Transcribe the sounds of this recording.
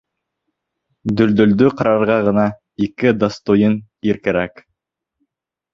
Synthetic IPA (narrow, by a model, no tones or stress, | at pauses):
d̪ɵ̆ld̪ɵ̆ld̪ɵqɑɾɑɾʁɑʁɤ̆nɑ | ikɘd̪ast̪ujɤniɾkɘ̆ɾæk